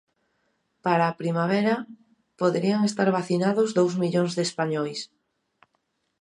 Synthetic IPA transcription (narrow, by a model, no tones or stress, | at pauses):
paɾaːpɾimaβɛɾa | poðeɾiaŋest̪aɾβaθinaðozðowzmiʎoŋzðespaɲɔjs